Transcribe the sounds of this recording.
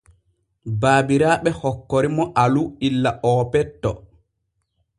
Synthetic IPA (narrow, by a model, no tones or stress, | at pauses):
baːbiɾaːɓɛhɔkːɔɾimɔʔaluilːaʔɔːpɛtːɔ